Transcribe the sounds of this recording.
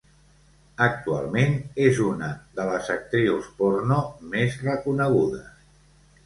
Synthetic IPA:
ək̚t̪ua̰lˠmenezunəðələzək̚t̪ɾiwspoɾnomezrəkunəɣ̞uðəs

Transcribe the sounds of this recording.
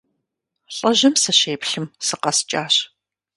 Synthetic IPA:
ɬʼɐʑɐmsɨɕeːpɬɨmsɨqɐst͡ʃʼaːɕ

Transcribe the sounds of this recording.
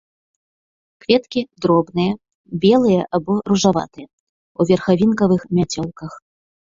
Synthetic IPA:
kvʲɛt̪kʲid̪ɾɔbnɨjɐ | bʲɛlˠɨjɐʔabɔɾuʐava̰t̪ɨjɐ | uvʲɛrxavʲinkɐvɨxmʲat͡sʲɔlˠkɐx

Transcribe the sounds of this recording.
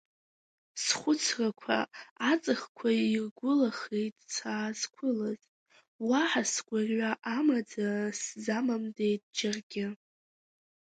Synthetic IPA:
sχʷʊt͡sʰrakʷʰa̰at͡sʼɨχkʷʰairɡʷʊlaχejtʼt͡sʰaːzkʷʰʊlaz | waħasɡʷarɥʷaʔamad͡zaszamamde̞jtʼd͡ʒarɡʲɪ

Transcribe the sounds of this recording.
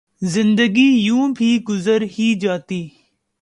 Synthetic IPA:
zɪ̃nd̪əɡiːjũːbʱiːɡʊzəɾɦiːd͡ʒaːt̪iː

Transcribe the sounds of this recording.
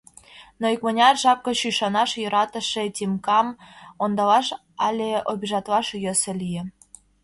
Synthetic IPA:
noikmɤ̆nʲɑrʒɑp̚kɤ̆ɕyʃɑnɑʃjɤ̆ɾɑt̪ɤ̆ʃetʲimkɑmond̪ɑlɑʃ | ɑlʲeobʲiʒɑt̪lɑʃjɤ̆sĕlʲijĕ

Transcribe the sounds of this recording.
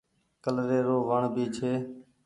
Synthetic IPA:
kəlɾeːɾoːʋəɳbiːt͡ʃʰeː

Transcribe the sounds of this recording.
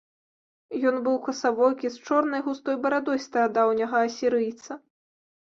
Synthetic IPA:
jɔnbɨwkɐsavɔjkʲist͡ʂɔrnɐjɣust̪ɔjbɐɾad̪ɔjst̪ɐɾad̪awnʲɐɣɐːsʲiɾɨjt̪sɐ

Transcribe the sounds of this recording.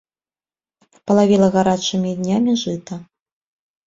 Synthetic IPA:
pɐlˠavʲilˠɐɣaɾat͡ʂɨmʲid̪nʲamʲiʐɨt̪ɐ

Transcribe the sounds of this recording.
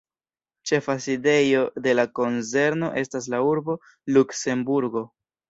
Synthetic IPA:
t͡ʃe̞faside̞jo̞de̞lako̞nze̞ɾno̞ʔe̞stas̬lauɾbo̞ | lukse̞mbuɾɡo̞

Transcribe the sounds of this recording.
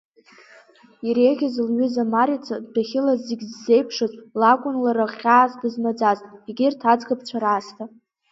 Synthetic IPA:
iɾeʁʲazlɥʏzamaɾit͡sʰadaχʲɪlazːeɡʲzːe̞jpʰʂɨzʼlakʷʼʊnlaɾaχʲaːzdɨzmad͡zaztʼiɡʲɪrtʰad͡zɡap̚ʰʼt͡ʃʷʰaɾaːstʰa

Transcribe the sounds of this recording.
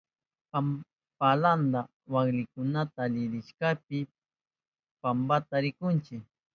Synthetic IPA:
pa | paland̪a | waklɪkʊnat̪aːʎɪɾɪʃkap̚ɪ | pambat̪aɾɪkʊnt͡ʃɪk

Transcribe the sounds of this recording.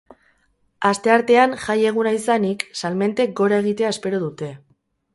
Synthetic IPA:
ast̪e̞aɾt̪e̞anʝaje̞ɣ̞unaisaniksalme̞nt̪e̞k̚ɡo̞ɾaeɣ̞it̪e̞ae̞spe̞ɾoðut̪e̞

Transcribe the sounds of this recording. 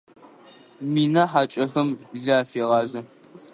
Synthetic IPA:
miːnɐħaːt͡ʃʼɐxɐmɮaːfeːʁɑːzɨ

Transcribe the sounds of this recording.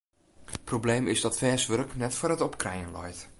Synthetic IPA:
prowblejmɪzdɔtfɛːsʋørknɛtfʊəɾətɔpkrɛjənlɔ̰jt

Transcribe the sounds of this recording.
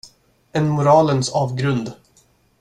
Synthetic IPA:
ɛnmʊɾɑːlənsɑːvɡɾɵnd̪

